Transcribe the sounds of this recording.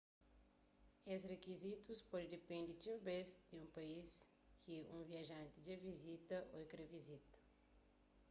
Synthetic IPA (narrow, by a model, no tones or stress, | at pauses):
esrekizit̪uspɔd͡ʒd̪epẽnd̪ɪt͡ʃibesd̪ɪũpais | kʰiũviaʒɐ̃nt̪ɪd͡ʒevizit̪ɐʔo̰kɾevizit̪ɐ̥